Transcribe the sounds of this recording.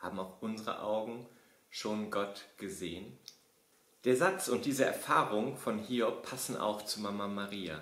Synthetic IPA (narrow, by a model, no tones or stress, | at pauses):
ha̰ːbm̩aʊfʔʊnzəʁə̰ʔaʊɡŋ̩ | ʃoːnɡɔtɡ̥əzeːən | d̥eːɐzat͡sʊntd̥iːzəɛ̰ɐfaːʁʊŋfɔnhiːɔpʰːasn̩ʔa̰ʊxt͡sumamamaʁiːa̰